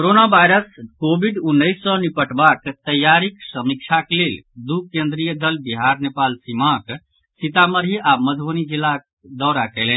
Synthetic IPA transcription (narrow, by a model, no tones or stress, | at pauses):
koɾonabʱajɾəskobiɖunːəɪsːɔnipəʈbakt̪əjaɾiksəmik̚t͡ʃʰakleld̪ukẽnd̪ɾijəd̪əlbiɦaɾnepalsimak | sit̪aməɾɦiʔaməd̪ʱbənid͡ʒilːak | d̪ɔɾakɛlɛn